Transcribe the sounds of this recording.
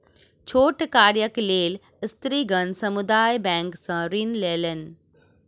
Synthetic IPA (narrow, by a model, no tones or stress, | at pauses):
t͡ɕʰoːʈkaːɾjəkleːl | ɪst̪ɾiːɡɐnsɐmud̪aːjbɛ̃ːŋksãɾiːnleːlənɪ̆